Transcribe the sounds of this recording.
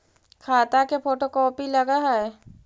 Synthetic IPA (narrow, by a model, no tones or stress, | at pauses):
kʰaːt̪akepoːʈokɔːpiləɡaɦɛɛ